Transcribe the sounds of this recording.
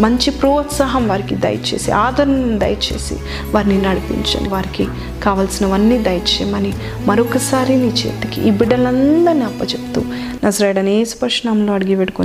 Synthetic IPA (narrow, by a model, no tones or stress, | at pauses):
mɐɲt͡ʃipɾɔːt̪saːɦɐmʋaːɾikid̪ɐ̰jt͡ʃḛːsḭʔaːd̪ʱɐɾɐnɐnd̪ɐ̰jɐt͡ʃḛːsḭ | ʋaːɾininːɐɽipḭɲt͡ʃɐ̰ːniʋaːɾiki | kaːʋaːlsinɐʋɐnːiːd̪ɐjt͡ʃejmɐni | mɐɾokɐsaːɾiniːt͡ʃeːt̪ɐkḭʔibiɽɐlɐnd̪ɐniɐpːɐt͡ʃepu̥t̪uː | nɐzɐɾɐjɽɐneːsu̥pɐɾʂnɐmloːɐɽiɡiʋeʈko